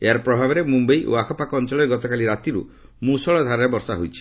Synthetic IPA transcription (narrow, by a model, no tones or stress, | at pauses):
eaɾpɾɔbʱabɔɾemumbejʔo̰akʰɔpakɔɔnt͡ʃɔɭɔɾɡɔt̪ɔkaliɾat̪iɾṵ | mũsɔɭɔd̪ʱaɾaɾebɔɾsaɦojt͡ʃʰi̥